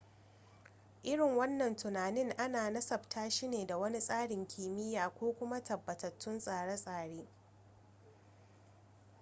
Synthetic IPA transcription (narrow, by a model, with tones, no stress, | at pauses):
ʔɪ˦ɽɪ˨ŋwɐ˦nːɐ˨ntʰʊ˨naː˨nɪ˦ŋʔa˦naː˨nɐ˦sɐ˨btʰaː˦ʃiː˦neː˨da˨wɐ˦ni˦sʼaː˦ɽɪ˨ŋkʲʰiː˨mɪ˦jaː˨kʷoː˦kʷʊ˦ma˦tɐ˨bːɐ˨tɐ˨tːʊ˦nsʼaː˨ɽɐ˦sʼaː˨ɽeː˦